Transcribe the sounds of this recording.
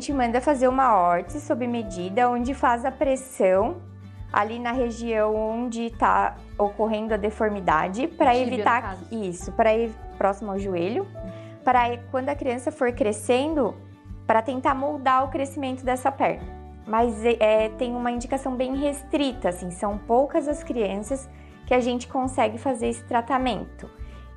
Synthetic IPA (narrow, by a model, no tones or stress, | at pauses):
ʒẽnt͡ʃɪmɐ̃nd̪ɐfazeɾũmɐɔɾt͡ʃɪsobɾɪmed͡ʒid̪ɐõd͡ʒɪfazɐpɾesɐ̃w̃ | ʔa̰linɐɦeʒiɐ̃w̃oõd͡ʒɪt̪a̰ | okoɦẽnd̪ʊɐd̪efoɾmid̪a̰d͡ʒɪpɾɐevit̪aisʊpɾɐiɾpɾɔsimʊawʒueʎʊ | pɾɐkwɐ̃nd̪ʊɐkɾiɐ̃sɐfoɾkɾesẽnd̪ʊ | pɾɐt̪ẽnt̪aɾmowd̪aʊkɾesimẽnt̪ʊd̪ɛsɐpɛ̰ɾnɐ | mɐzɛt̪ẽj̃ũmɐĩnd͡ʒikasɐ̃w̃bẽj̃ɦest̪ɾit̪ɐːsĩsɐ̃w̃powkɐzɐskɾiɐ̃sɐs | kɪaʒẽnt͡ʃɪ̥kõsɛɡɪfazeɾesɪ̥t̪ɾat̪amẽnt̪ʊ